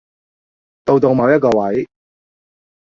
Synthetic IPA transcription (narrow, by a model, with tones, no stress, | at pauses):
t̪o˨˧wt̪o˨˧wmɐ˨˧wjɐ˥t̚kɔː˧wɐ˨˥j